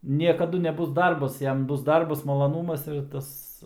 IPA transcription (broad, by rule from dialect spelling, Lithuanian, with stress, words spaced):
nʲiɛkɐˈdʊ nʲɛˈbʊs ˈdɐrbɐs ˈjɛm ˈbʊs ˈdɐrbɐs mɐlˠɐˈnuːmɐs ɪr ˈtɐs